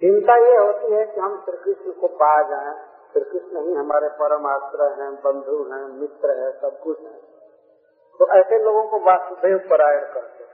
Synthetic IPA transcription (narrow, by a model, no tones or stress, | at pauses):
ɦɪmt̪ajeɦoːt̪iɦɛkiɦɐmsɪɾkɾɪʃnəkopad͡ʒaːẽ | fɪɾkɾɪʃnəɦĩɦəmaːɾepəɾəmaːst̪ɾəɦɛ̃bə̃nd̪ʱuɦɛ̃mɪt̪ɾəɦɛ̃səb̚kʊt͡ʃʰɦɛ̃ː | t̪oʔɛːseloːɡõkobaːsbʱeuɡpəɾaːɽkɐɾt̪e